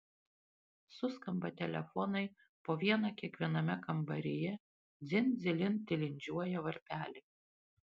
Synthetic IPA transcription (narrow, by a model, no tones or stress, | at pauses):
sʊskɐmbɐt̪ʲɛlʲɛ̰fɔnɐɪ | poːʋʲiɛnɑːkʲiɛkʋʲiɛnɐmʲɛkɐmbɐɾʲɪjɛ | d̪zʲɪnd̪zʲɪlʲɪnt̪ʲɪlʲɪnʲd͡ʒʲuɔjɛʋɐɾʲpʲæːlʲɪ